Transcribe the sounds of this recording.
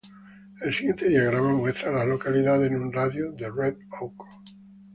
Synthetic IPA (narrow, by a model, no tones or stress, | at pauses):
elsiɣje̞nt̪eðiaɣɾamamwe̞st̪ɾalazlo̞kaliðaðeznũnraðjoðereðowko̥